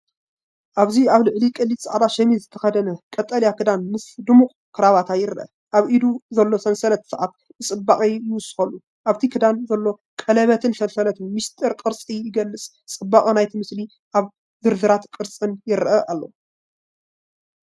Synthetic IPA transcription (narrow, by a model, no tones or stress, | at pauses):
ʔaβziaβlɨʕlikʼɨlːit̪ʼsɨʕd̪aʃɐmizɨt̪ʰɐxɐd̪ɐnɐkʼɐt̪ʼːɐljakʰɨd̪anmɨsd̪ɨmukʼ | kʰɨɾaβat̪ʰajɪɾʔɐ̰ | ʔaβʔid̪uzɐlːo̞sɐnsɐlɐt̪sɨʕat̪ | bɨt͡sʼɨbːaχʼɐjɪwʊsːɨ̥xɐlːu | ʔaβt̪ʰikʰɨd̪anzɐlːo̞ | kʼɐlɐβɐt̪ʰɨnsɐnsɐlɐt̪ɨnmist̪ʼɨɾkʼɨɾt͡sʼijɪɡɐlːɨt͡sʼ | t͡sʼɨbːaχʼɐnajt̪ʰimɨsli | ʔaβ | zɨɾd̪ɨɾat̪kʼɨɾt͡sʼɨnjɪɾʔɐʔalːo